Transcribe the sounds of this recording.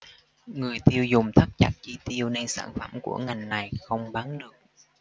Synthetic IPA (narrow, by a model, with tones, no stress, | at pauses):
ŋɨ˨˩əjt̪i˧əwzʊ˨˩ŋ͡mt̪ʰə˦˥t̚t͡ɕa̰˨˥t̚t͡ɕi˧t̪i˧əwne˧nsa̰ː˧˩nfə˧˩mkṵ˧˩əŋa˨˩jŋ̟na˨˩jxə˧wŋ͡mɓaː˨˦nɗɨ˨˩ək̚